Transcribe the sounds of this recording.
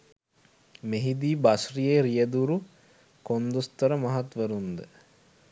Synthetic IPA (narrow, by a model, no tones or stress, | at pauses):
meɦid̪iːbasrijeɾijəd̪uɾu | kond̪ust̪əɾəmɐɦat̪ʋəɾund̪ə